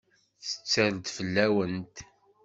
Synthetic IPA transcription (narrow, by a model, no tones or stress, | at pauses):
θə̥t͡sːæɾd̪fəlːæwənt̪